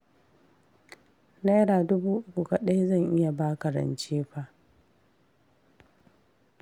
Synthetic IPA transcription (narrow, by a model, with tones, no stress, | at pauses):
na˦jɽaː˨dʊ˦buː˦ʔʊ˦kʷu˨ka˨ɗɐ˦ja˦zɐ˦˨ŋʔɪ˦ja˨baː˦kɐ˨ɾɐ̰˨nt͡ʃeː˦ɸa˦ʔ